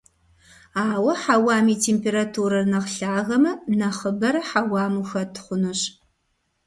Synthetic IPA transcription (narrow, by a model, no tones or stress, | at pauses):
aːwɐħawaːmiːtʰeːmpeɾatʰuɾɐrnɐqɬaːɣɐmɐnɐχəbɐɾɐħawaːmuxɐtʰχʷʊnɨɕ